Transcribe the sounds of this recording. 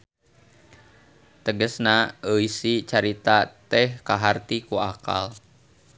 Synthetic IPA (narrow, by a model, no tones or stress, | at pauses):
t̪əɡəsnaəisit͡ʃaɾit̪at̪ɛhkaɦart̪ikuaka̰l